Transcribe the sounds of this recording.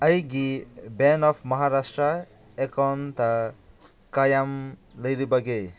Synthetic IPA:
ʌjɡibenɔpʰmʌɦaɾasʈrʌ | ekɔnt̪a | kajamlʌjɾibʌɡe

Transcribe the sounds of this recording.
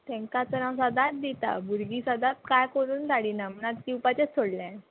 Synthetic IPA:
t̪ɛ̃ŋkat͡sənãwsad̪at̪̚d̪it̪a̰buɾɡisad̪at̪̚kajkəɾuːnt̪aɽinamnat̪̚kiupat͡ɕet͡sʰːoɽlã

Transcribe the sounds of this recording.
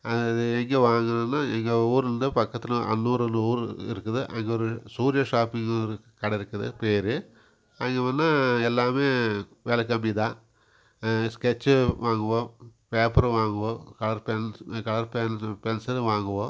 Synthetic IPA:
ɐðɯɛŋɡeʋaːŋɡɐnɯnːaːɛŋɡeuːɾɯnd̪ɯpɐkːɐt̪ːɪlɐʔɐ̰nːuːɾɯnɯuːɾɪ̰ɾɯkːɐðɯʔɐŋɡeɔɾɯsuːɾjɐʂaːpɪŋɾɯkɐɽɐɪɾɯkːɐðɯ̰peːɾɯ | ɐŋɡeʋɐnːaːɛlːaːmeːʋeːlɐk̬ːɐmbiðãː | skɛt͡ʃːʋaːŋɡɐʋõːpeːpɐɾɐ̃ʋaːŋɡɐʋõːkɐɭɐɾpɛnkɐɭɐɾpɛnpɛnsɐɾʋaːŋɡɐʋõː

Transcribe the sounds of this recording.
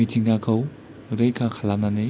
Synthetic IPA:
itʰiŋɡakʰɐw | ɾejkʰakʰalamnani

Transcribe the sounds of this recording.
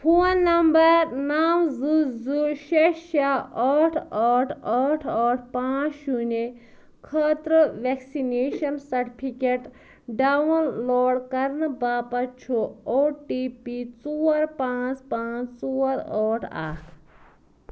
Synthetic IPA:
pʰoːnːɐmbɐɾnaːwzuzuʃeʈʃaaːʈʰaːʈʰaːʈʰaːʈʰpãːt͡ʃʃune | kʰɐːt̪ɾɨʋeksineːʃɐnsɐɾʈipʰikeʈ | ɖaːwɐnloːɽkɐɾnɨbaːpɐt͡ʃʰooːʈiːpit͡suːɐɾpãːt͡spãːt͡st͡suːɐɾoːʈʰa̰ːkʰ

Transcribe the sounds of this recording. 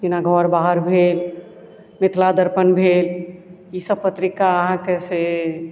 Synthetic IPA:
inaɡʱɔɾbaɦəɾbʱel | mɪt̪ʰlad̪əɾpənbʱel | isəb̚pət̪ɾikaəɦãkese

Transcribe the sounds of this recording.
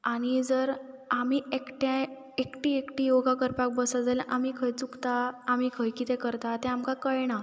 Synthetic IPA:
aɽ̃id͡zəɾ | amiekʈa | ekʈiekʈijoɡakəɾpak̚bəsad͡zəlʔamikʰəjt͡sukt̪aːm̤ikʰəjkit̪ɛ̃kəɾt̪at̪ɛ̃amkakəjɳa

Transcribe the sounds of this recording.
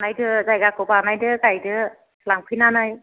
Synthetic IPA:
najdɯzajɡakʰɯbanajdɯkajdɯ | laŋpʰɯjnanaj

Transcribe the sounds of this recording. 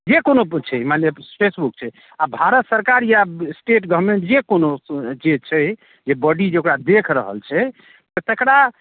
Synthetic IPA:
d͡ʒekonot͡ʃʰɛmanepʰesbukt͡ʃʰɛ | abʱaɾət̪səɾkaɾjasʈeʈɡəɾmẽɳʈd͡ʒekonod͡ʒet͡ʃʰɛ | d͡ʒebɔɖid͡ʒeokɾad̪ekʰɾəɦə̰lt͡ʃʰɛ | t̪ɔt̪əkɽa

